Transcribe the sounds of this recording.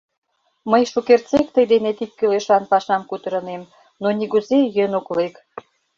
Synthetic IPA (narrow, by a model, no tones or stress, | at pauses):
məjʃukert͡sekt̪əjd̪enet̪ikːøleʃɑnpɑʃɑmkut̪ə̆ɾə̆nem | noniɣuzejønoklek